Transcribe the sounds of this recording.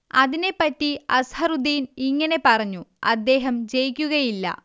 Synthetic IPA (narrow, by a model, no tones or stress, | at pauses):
ɐðine̞pːɐtːiɐshɐrud̪iːniŋːɐne̞pɐrɐɲːuɐd̪ːe̞ːɦɐmd͡ʑe̞jikʲːuɣɐjilːɐ̰